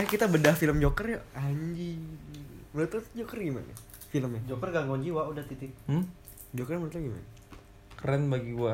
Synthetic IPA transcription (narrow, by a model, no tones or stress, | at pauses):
jakit̪abədahfiləmd͡ʒokərjaaɲd͡ʒi | mənət̪ʊsd͡ʒokərɡima̰na̰ | filəmɲad͡ʒokərɡaŋoɲd͡ʒiwaudaht̪it̪ɪk̩̚ | d͡ʒokərmənət̪ɡima̰na | kəɾɛnbaɡiwa